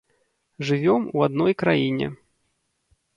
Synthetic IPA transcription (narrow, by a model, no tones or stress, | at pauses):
ʐɨvʲɔmuad̪̚nɔjkɾajinʲɛ̰